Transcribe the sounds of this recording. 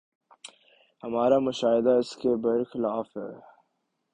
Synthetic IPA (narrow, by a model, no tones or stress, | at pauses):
hɐmaːɾamʊʃaːɦɪd̪aɪskebɐɾxɪlaːfɦɛ̰ː